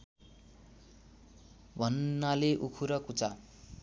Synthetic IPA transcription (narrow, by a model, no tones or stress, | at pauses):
bʱʌnːaleʔukʰuɾʌkut͡sa